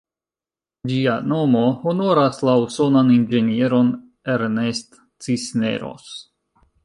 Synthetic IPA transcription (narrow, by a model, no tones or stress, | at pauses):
d͡ʒiano̞mo̞ho̞no̞ɾaslauso̞nanind͡ʒe̞nie̞ɾo̞n | eɾnest̪ | t͡sisne̞̰ɾo̞̰s